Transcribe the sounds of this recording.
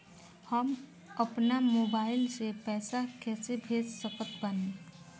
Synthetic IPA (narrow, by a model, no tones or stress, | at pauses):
həm | əpnamoːbaːɪlsepɛːsakɛːsebʱeːd͡ʒsəkət̪bəne